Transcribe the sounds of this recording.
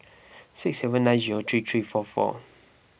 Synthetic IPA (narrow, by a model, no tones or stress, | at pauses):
sɪksːɛvə̃nːãɪ̃nziɹot̪ʰɹit̪ʰɹiːfɔfɔ̰